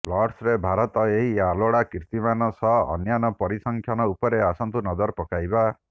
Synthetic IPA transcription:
plɔɽsɾebʱaɾɔt̪ɔeɦialoɽakiɾt̪imanɔsɔɦːnjanɔpɔɾisɔŋkʰjanɔupɔɾeasɔnt̪unɔdɔɾpɔkajba

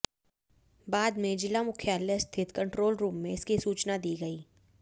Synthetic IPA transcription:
baːd̪mẽd͡ʒɪlamʊkʰjaːlest̪ʰɪt̪kɐ̃ɳʈɾoːlɾuːmːẽɪskisuːt͡ʃnad̪iːɡɐiː

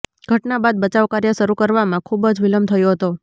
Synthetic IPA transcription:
ɡ̥ʱəʈnabad̪̚bət͡ʃaʋkaɾjəʃəɾukəɾʋamãkʰubəd͡ʒʋiləmt̪ʰəjoɦət̪o

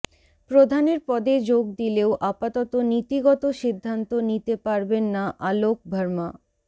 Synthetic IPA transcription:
pɾod̪ʱaneɾpɔd̪ed͡ʑoɡ̚d̪ileoʔapat̪ɔt̪onit̪iɡɔt̪oʃid̪ʱːant̪onit̪epaɾbenːaʔalok̚bʱəɾma

